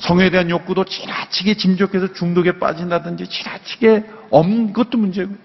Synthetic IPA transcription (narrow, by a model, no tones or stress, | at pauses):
sʰʌŋe̞de̞ɦanjok͈udot͡ɕiɾat͡ɕʰiɡet͡ɕimd͡ʑokʰe̞sʰʌt͡ɕuŋdoɡe̞p͈a̰d͡ʑindadɯnd͡ʑit͡ɕi̥ɾat͡ɕʰiɡe̞ʌmnɯnɡʌt͈omund͡ʑe̞ɡo